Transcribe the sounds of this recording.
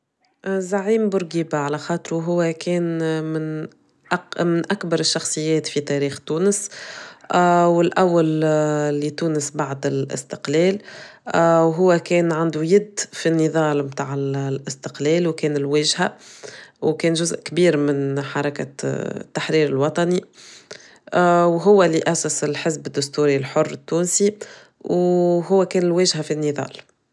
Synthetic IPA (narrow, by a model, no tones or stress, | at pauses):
ʔzaʕiːmbʊɾɡiːbaʕalæxɑːt̪ˤɾuɦʊwːækɛːnmɪn | ʔmɪnʔakbɑɾˤɪʃːɑxsˤɨjːɛːt̪fit̪ɛːɾiːxt̪uːnəs | wɪlʔawːallːit̪uːnəsbaʕd̪ɪlʔɪ̰st̪ɪ̥qlɛːl | wɦʊwːækɛːnʕand̪ujɪd̪ːfinːiðˤɑːlmt̪aːʕɪllʔɪst̪ɪ̥qlɛːlwkɛːnɪlwɛːʒhæ | wkɛːnʒʊzʔkbiːɾmɪnħɑɾˤɑkat̪ːaħɾiːɾɪlwɑt̪ˤɑni | wɦʊwːælɪʔæsæsɪlħɪzbɪd̪ːʊst̪uːɾilħʊrːɪt̪ːuːnsi | wɦʊwːækɛːnɪlwɛːʒhæfinːiðˤɑ̰ːl